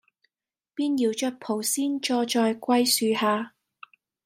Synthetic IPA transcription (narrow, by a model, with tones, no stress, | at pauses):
piː˥njiː˨˩wt͡ʃœ˧˥t̚pʰo˨˩wsiː˥nt͡ʃɔː˧t͡ʃɔː˧jkʷɐ˥jsyː˨˧haː˨˧